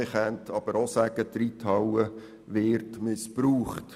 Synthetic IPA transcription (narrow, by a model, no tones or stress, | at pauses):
ɪχɛntʰɑb̥əɾosæːɡ̥ətɾitʰɑwə | ʋɪːɾtmɪspɾuːχt